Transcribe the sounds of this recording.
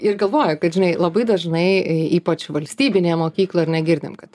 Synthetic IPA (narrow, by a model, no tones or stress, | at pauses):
ɪrɡɐlˠʋoːjʊkɐt̪ʒʲɪnɐɪlˠɐbɐɪd̪ɐʒnɐɪiːpɐt͡ʃʋɐlʲsʲt̪ʲiːbʲɪnʲeːmoːkʲiːklˠoːɪɾnʲɛɡʲɪɾʲd̪ʲɪ̰mkɐt̪